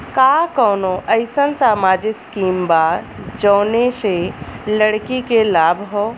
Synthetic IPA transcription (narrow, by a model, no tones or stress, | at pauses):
kakɔːnoʔəɪsənsaːmaːd͡ʒɪkskiːmbad͡ʒɔːneseləɽkikelaːbʱɦo